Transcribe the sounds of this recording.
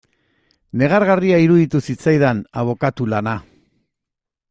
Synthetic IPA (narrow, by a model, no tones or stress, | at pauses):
ne̞ɣ̞aɾɣariaiɾuðit̪usit͡sajðanaβ̞o̞kat̪ulana